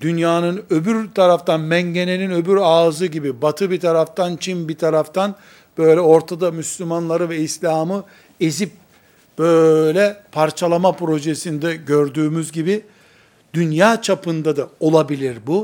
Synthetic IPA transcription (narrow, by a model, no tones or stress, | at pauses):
d̪̥ynjaːnɯnø̞byɾt̪ʰaɾaft̪ʰanmɛɲɟe̞ne̞ninø̞byɾaːzɯɟibibat̪ʰɯbit̪ʰaɾaft̪ʰant͡ʃʰimbit̪ʰaɾaft̪ʰan | b̥ø̞jlʲɛo̞ɾt̪ʰad̪amyslʲymanlˠaɾɯvɛislʲaːmɯ | ezip̚ | b̥ølʲɛpʰaɾt͡ʃʰalˠamapɾo̞ʒesind̪ɛɟøɾd̪yːmyzɟibi | d̪̥ynjaːt͡ʃʰapɯnd̪ad̪ao̞lˠabilʲiɾbu